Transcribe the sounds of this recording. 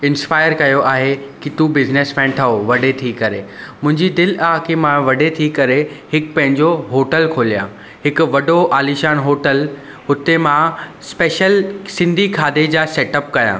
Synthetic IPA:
ɪ̃nspaːɪəɾkɐjoʔaːɦekit̪uːbɪzneːsmɛ̃ːnt̪ʰɐoʋɐɖet̪ʰikɐɾemʊ̃ɦɪ̃ɲd͡ʑid̪ɪlaːɦkemãʋɐɖet̪ʰikɐɾeɦɪkpɐ̃ɦɪ̃ɲd͡ʑoɦoːʈəlkʰoːlijã̰ː | ɦɪkʊʋɐɖoʔaːliʃaːnɦoːʈəl | ɦʊt̪emã | speːʃəlsɪ̃nd̪ʱikʰaːd̪ed͡ʑaːseːʈəp̚kɐjã̰ː

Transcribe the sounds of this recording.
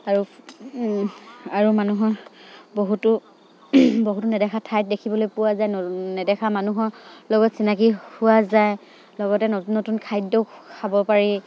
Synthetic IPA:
aɹu | aɹumanuɦɔboɦutʊ | boɦutunɛdɛxʰatʰajt̚dekʰibɔlojpuwazajnɛdɛxamanuɦɔlɔɡɔtsinakihʊwazaj | lɔɡɔtɛnɔnːotunkʰajdɔkʰabɔpaɹi

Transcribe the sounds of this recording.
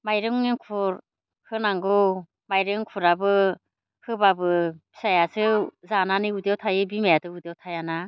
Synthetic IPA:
majɾɯŋnɯŋkʰuɾ | hɯnaŋɡɯ | majɾɯŋkʰuɾabɯ | hɯbabɯbi̥sajasɯzananiudawtʰajɯbimajatɯudawtʰajana

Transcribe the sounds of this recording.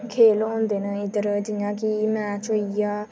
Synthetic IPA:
kʰeːlõːnd̪eːnə̃ɪd̪əɾd͡ʒijãːkimɛ̃ːt͡ʃoijaː

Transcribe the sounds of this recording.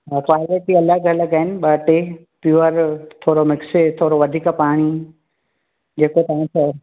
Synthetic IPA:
kwaːlɪʈiɐlaɡʱɐləɡaɦɪnɪ̆ɓɐʈe | pjuːəɾt̪ʰoːɾomɪkset̪ʰoːɾoʋɐd̪ʱiːkpaːɽ̃i | d͡ʑeːkot̪ɐɦĩtʰɐ

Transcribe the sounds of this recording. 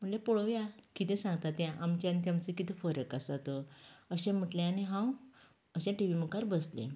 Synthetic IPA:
m̤əɳlepɔɭɔʋjakit̪ɛ̃sãŋɡ̚t̪at̪jãʔamt͡ɕãnt̪̬jãmt͡səkit̪efɔɾəkasat̪oəɕẽm̤əʈlẽaneɦãw | əɕãʈiʋiməkaɾbəslḛ̃

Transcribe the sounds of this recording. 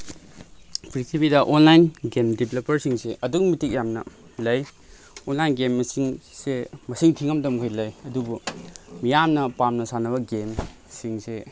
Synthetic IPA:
pʰɾik̚tipidɐʔonlajnɡemdipʰelepɐɾsiŋseʔɐduɡmitik̚jamnɐ̰ | lɐj | onlajnɡemːɐsiŋsemɐsiŋtʰiŋɐmdɐmkʰojlɐjɐdubumijamnɐpamnɐsanɐbɐɡem | siŋse

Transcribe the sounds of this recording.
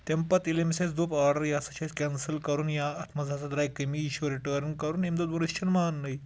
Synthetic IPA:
t̪empɐt̪ilemsesd̪upaɾɖəɾjasɐt͡ɕaskʲɛnsəlkɐɾuːnjaːt̪ʰmɐd͡zʱat͡sad̪ɾajkəmiɕuʋɾiʈəɾnkɐɾuːnemd̪od̪ʋoniɕt͡ɕənmanːɐi

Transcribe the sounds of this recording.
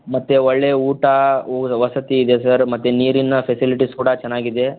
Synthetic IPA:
mɐt̪ːeɔɭːeuːʈɐoʋɐsɐt̪iːd̪esɐɾmɐt̪ːeniːɾinɐpʰesiliʈiskuːɽɐt͡ʃɛnːaːɡid̪e̞

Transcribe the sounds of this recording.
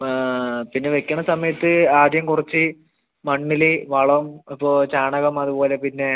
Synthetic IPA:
pinːe̞ʋekʲːɐɳːɐsɐmɐjɐt̪ːɨaːd̪jɐmkurit͡ɕːɨ | mɐɳːiliʋɐɭɐmipːoːt͡ɕaːɳɐɣɐmɐðupo̞ːle̞pinːe̞

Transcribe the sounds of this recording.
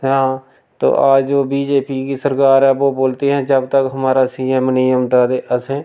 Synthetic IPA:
ɦãː | t̪o̰ːʔaːd͡ʒoːbiːd͡ʒeːpikisəɾkaːɾɛboboːlt̪eɦɛ̃d͡ʒəb̚t̪əkɦəmaːɾasiɛ̃mnɪjəmt̪ad̪eʔəsẽː

